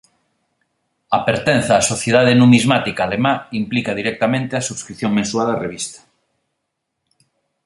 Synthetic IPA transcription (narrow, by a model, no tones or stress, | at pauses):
apeɾt̪ẽn̟θaːsoθjeðað̞enũmizmat̪ikaːlemaimplikaðiɾɛk̚t̪amẽnt̪eɐsuβskɾiθjoŋmẽnsualareβist̪ḁ